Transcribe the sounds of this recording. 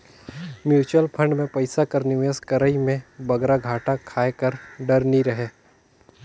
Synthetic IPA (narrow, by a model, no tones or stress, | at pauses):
mjuːt͡ʃwəlpʰɐ̃ɳɖmẽpɐɪsakɐɾnɪʋəskɐɾəimẽbɐɡɾaɡʱaːʈakʰaːekəɾɖɐɾniɾɐɦeː